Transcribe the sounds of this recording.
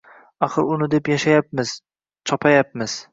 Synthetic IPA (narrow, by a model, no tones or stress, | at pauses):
aχɨɾʊnɪd̪e̞pjaʃajap̚mɪz̥ | t͡ʃʰɒpʰajap̚mɪz̥